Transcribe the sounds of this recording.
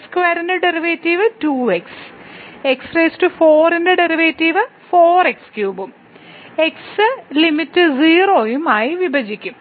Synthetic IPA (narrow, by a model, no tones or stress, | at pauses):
skʋɐːɾendeɖeriʋeːtːiʋɨtuːeks | ekspreːstufoːrendeɖeriʋeːtːiʋɨfoːrekskjuːbum | eksɨlimitːɨziːroːjumaːjiʋibʱɐd͡ʑikʲːum